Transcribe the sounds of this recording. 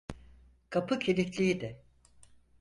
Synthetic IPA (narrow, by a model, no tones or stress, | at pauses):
kʰapʰɯcʰelʲit̪lʲijid̪ɪ